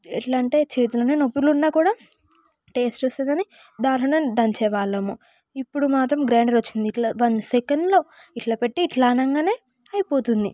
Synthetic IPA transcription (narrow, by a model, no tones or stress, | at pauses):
ḛʈlɐɳʈe̞ːt͡ʃe̞ːt̪ulɐːneːnopːulunːaːkuːɽaː | ʈe̞ːsʈt͡ʃeːst̪end̪ɐni | d̪aːlɐned̪ɐɲt͡ʃɛːʋaːlemu | ipːuɽumaːt̪ɾɐmɡɾaːɳɖɐɾot͡ʃːind̪iːʈlaːʋɐnsekɐɳɖlo̞ːiʈlaːpe̞ʈːiːʈlaːnɐŋɡaːne̞ː | ɐjipo̞ːt̪und̪ḭ